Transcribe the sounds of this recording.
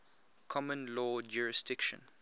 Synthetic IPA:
kʰɔmə̃nlɔːd͡ʒuːɹɪsdɪkʃə̰̃n

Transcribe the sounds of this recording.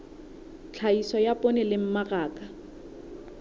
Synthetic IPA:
t͡ɬʰaisɔjapʼonɛlɪm̩maraːkʼa

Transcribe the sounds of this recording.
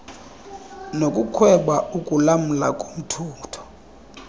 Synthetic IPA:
nokʼukʰwɛɓaukʼulam̩lakʼom̩tʰuːtʰɔ̥

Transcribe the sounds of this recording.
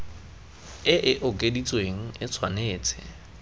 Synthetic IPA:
ɪʔɪʔʊkʼedit͡sʼweŋ̩ɪt͡sʰwaneːt͡sʼɪ̥

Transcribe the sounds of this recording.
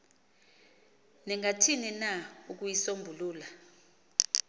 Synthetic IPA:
nɛŋʱatʰininauk̬ujisombʱuluːla

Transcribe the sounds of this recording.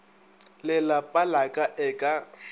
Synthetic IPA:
lɪlapʼalakʼaʔɛkʼa

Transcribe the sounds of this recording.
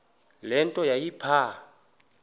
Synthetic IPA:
lɛntʼɔjaipʰa

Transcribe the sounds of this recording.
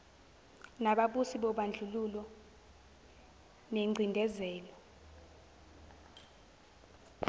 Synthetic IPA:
naɓaɓusiɓɔɓand͡ɮʱululɔ | neŋ͡ǀʱindʱɛzɛːlɔ

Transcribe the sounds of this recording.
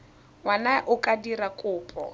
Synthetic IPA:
wanaʔʊkʼadirakʼʊːpʼɔ̰

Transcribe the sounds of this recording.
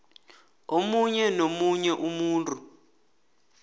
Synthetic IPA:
omuɲɛnomuɲɛʔumuːntʼu

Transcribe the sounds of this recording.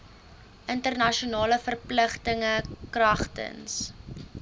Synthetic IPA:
ʔəntərnɐʃiunɑːləfərpləχtəŋəkrɐχtə̰ns

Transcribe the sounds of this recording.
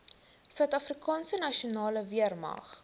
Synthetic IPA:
sœɥtɐfrikɑːnsənɐʃiunɑːləviərmɐ̰χ

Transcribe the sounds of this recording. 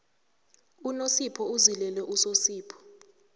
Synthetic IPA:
unosipʰɔuzilɛlɛʔusosiːpʰɔ̥

